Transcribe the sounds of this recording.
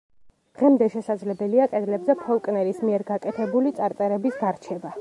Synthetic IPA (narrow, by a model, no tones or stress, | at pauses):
d̪̥ʁɛmd̪ɛʃɛsad̪zlɛbɛliakʼɛd̪lɛbzɛpʰɔlˠkʼnɛɾismiɛɾɡakʼɛt̪ʰɛbulit̪sʼaɾt̪ʼɛɾɛbisɡ̪aɾt͡ʃʰɛba